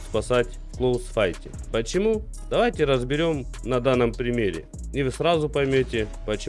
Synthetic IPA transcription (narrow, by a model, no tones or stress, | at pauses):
spɐsatʲ | klˠovsfajtʲɪ̰pət͡ɕɪmu | d̪ɐvajtʲɪɾəzbʲɪɾʲo̞m | nɐd̪anːəmpɾʲɪmʲeɾʲɪ̰ | nʲɪvɨsɾazʊpɐjmʲotʲɪpət͡ɕɪ